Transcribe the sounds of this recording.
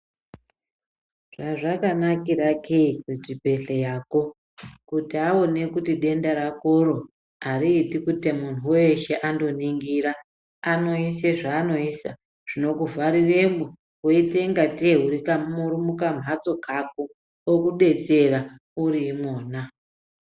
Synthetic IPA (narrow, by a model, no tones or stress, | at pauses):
ʐ̥aʐakanakiɾakʰeketibʱe̞ɬejaːko̞ | kutiaonekutiɗe̞ndaɾakoɾo̞ | aɾiːtikutimun̤uweʃe̞ʔando̞niŋɡiɾa | ano̞iseʐaːno̞isa | ʐ̥ino̞kuvaɾiremu | woiteŋɡatieɦuɾikammuɾumukam̤ʱat͡so̞kʰak̚o | okuɗe̞t͡se̞ra | uɾimoːna